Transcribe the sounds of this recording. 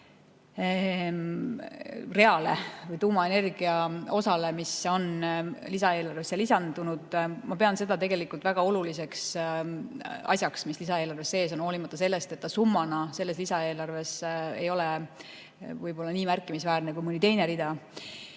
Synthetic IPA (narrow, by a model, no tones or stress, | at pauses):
re̞ɑle̞vɯjt̪uːmɑe̞ne̞rɡ̥iɑo̞sɑle̞miso̞nlisɑe̞ːlɑrvesːelisɑnd̪̥unud̪̥mɑpe̞ɑnse̞d̪ɑt̪e̞ɡe̞likːˑult̪væɡ̥ɑo̞lulise̞ks | ɑ̰sʲjɑksmislisɑeːlɑrve̞sːe̞ːsono̞ːlimɑt̪ːˑɑse̞lːe̞st̪e̞t̪ːɑsumːɑnɑse̞lːe̞slisɑe̞ːlɑrve̞se̞̰jo̞le | vɯjbo̞lːɑniːmærkːˑimisvæːrnekujmɯnit̪e̞jneɾid̪ɑ